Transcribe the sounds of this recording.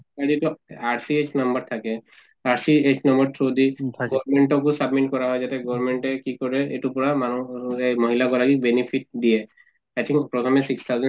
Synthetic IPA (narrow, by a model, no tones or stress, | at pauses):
aɹietuaɹsiet͡ʃnambɔɹt̪ʰakɛ | aɹsiet͡ʃnɔmbɔɹtʰɹodiɡɔmeɳʈɔkũsabmiʈ̚kɔɹaɦɔjzatɛɡɔɹmeɳʈɛkikɔɹɛetupɔɹamanuemɔɦilaɡɔlaɡibenipʰit̚diɛ | ajt̪ʰĩŋkpɹɔt̪ʰɔmɛsikst̪ʰawzɛn